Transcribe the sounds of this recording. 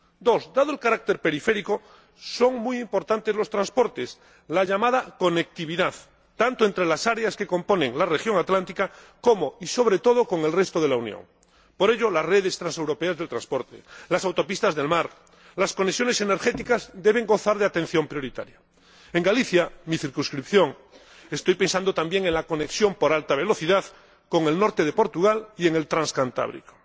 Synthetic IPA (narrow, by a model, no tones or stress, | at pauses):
d̪o̞zd̪aðoelkaɾak̚t̪e̞ɾpe̞ɾife̞ɾiko̞ | so̞ŋmujimpo̞ɾt̪ant̪e̞zlo̞st̪ɾãnspo̞ɾt̪e̞s | laʎamaðako̞nek̚t̪iβiðað | t̪ant̪oe̞nt̪ɾe̞lasaɾeaske̞ko̞mpo̞ne̞ŋlarexjo̞ŋat̪lant̪ika | ko̞mo̞iso̞β̞ɾe̞t̪o̞ð̞okoŋe̞lrest̪oð̞elaunjõ̰ŋ | po̞ɾe̞ʎo̞lasre̞ðe̞st̪ɾanse̞wɾo̞peazðe̞lt̪ɾãnspo̞ɾt̪ḛlasawt̪o̞pist̪azðe̞lmaɾ | lasko̞nesjo̞ne̞sene̞ɾxe̞t̪ikazd̪e̞β̞e̞ŋɡo̞θaɾðeat̪ẽ̞n̟θjo̞mpɾjo̞ɾit̪a̰ɾja | eŋɡaliθjamiθiɾkunskɾipθjo̞ŋ | e̞st̪o̞jpe̞nsand̪ot̪ambje̞ŋenlako̞ne̞ksjo̞mpo̞ɾalt̪aβ̞e̞lo̞θiðað | ko̞ŋe̞lno̞ɾt̪eðepo̞ɾt̪uɣalie̞ŋe̞lt̪ɾãnskant̪a̰βɾḭko̥